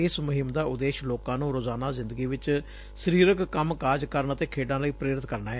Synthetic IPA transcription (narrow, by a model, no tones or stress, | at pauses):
ɪsmʊɦɪmd̪aːʔʊd̪eːʃloːkãːnũːɾoːzaːnaːzɪ̃nd̪əɡiːʋɪt͡ʃ | səɾiːɾəkkəmkaːɾd͡ʒkəɾnat̪eːkʰeːɖãːləiːpɾeːɾɪt̪kəɾnaːɦɛː